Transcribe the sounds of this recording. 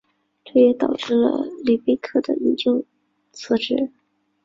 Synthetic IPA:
ʈ͡ʂʰa˥˩jɛ˧˥t̪ɑ˨˩ʊʈ͡ʂɻ̩˥˩lə̰˨˩li˨˩pe˥ɪkʰɤ˥˩d̪ə̰˨i˧˥ŋt͡ɕjo˥˧ʊ | t͡sʰɤ˥˧ʈ͡ʂɻ̩˥˩

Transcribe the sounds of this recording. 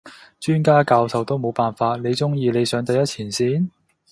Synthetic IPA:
t͡ʃyː˥nkaː˥kaː˧wsɐ˨wt̪o˥wmo˨˧wpaː˨˩nfaː˧t̚ne˨˧jt͡sʊ˥ŋjiː˨˧le˨˧jsœː˨˧ŋt̪ɐ˧jɐ˥t̚t͡sʰiː˨˩nsiː˥˩n

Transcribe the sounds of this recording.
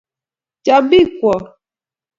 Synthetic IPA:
t͡ʃa˨bi˦kwɔ˨

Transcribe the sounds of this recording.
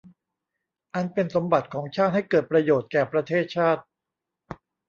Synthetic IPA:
ʔa˧npe˧nso˩˦mba˨˩t̪̚kʰɔː˩˦ŋt͡ɕʰaː˥˩t̪̚ha˥˩jkɤː˨˩t̪̚pɾa˧joː˨˩t̪̚kɛː˨˩pɾa˧t̪ʰeː˥˩t̪̚t͡ɕʰaː˥˩t̪̚

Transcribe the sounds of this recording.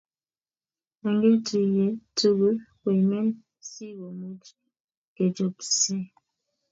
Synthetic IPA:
a˨ŋɡe˦tu˨je˨tu˦ɣə˦kwe˨mɛ˦n | si˦ɣo˨me˦d͡ʒi˦ | ke˨d͡ʒɔ˨psɛ˦

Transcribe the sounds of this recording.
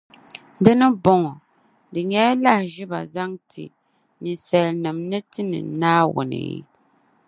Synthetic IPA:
dɨ˦nɨ˦bɔ˦ŋɔ˨ | dɨ˨ɲɛ˦la˦˨ʒi˦ba̰˨za˦ŋtʰḭ˨ | nɨ˨sɛ˨lnɨ˨mnɨ˦tɨ˦nɨ̰˨naː˦wʊ̰˨nɨ̰˨˦

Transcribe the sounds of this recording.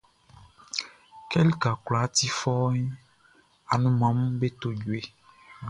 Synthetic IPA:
kɛ˦li˦ka˨kla˨˦t̪i˦fɔ˦ɲĩ˦ | a˨nũ˨mã˨m̩˦be˦t̪o˦d͡ʒu˨e˨

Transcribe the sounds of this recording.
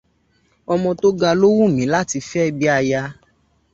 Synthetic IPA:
ɔ˧mɔ̃˧to˦ɡa˧lo˦wũ˦˨mĩ˨˦la˦ti˧fɛ˦˨bi˦a˧ja˧

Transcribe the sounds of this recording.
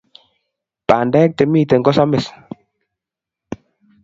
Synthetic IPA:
paː˨ndɛ˦k̚tɛ˨miː˦˨tɛ˨ŋɡɔ˦sa˦mɛ˨s

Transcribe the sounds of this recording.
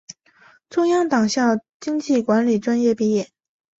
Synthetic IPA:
t͡sʰʊ˥ŋjɑ˥ŋt̪ɑ˨˩ŋɕjɑ˥˩ | t͡ɕi˥ŋt͡ɕi˥˩kwa˧˥nli˨˩ʈ͡ʂwa˥njɛ˥˧pi˥˧jɛ˥˩˦n

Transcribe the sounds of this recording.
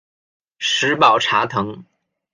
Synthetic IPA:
ʂɻ̩˧˥pɑ˨˩ʊʈ͡ʂʰa˧˥t̪ʰɤ˧˥ŋ

